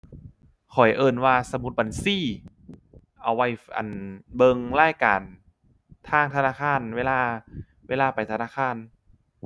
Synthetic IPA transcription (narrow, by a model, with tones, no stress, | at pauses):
kʰɔ˨˩jʔɤː˧˩nwaː˧sa˨˧˦mu˧˦t̪̚ba˨˩nsiː˧˥˩ | ʔa˨˩wːa˧˩jʔa̰˨˩nbɤ˧ŋlaː˥˩˨jkaː˨n | t̪ʰaː˧˥˩ŋt̪ʰa˧naː˧˥˩kʰaː˧˥˨nweː˧laː˧˩ | weː˧laː˧˩pa˨˩jt̪ʰa˧naː˧˥˩kʰaː˧˥˨n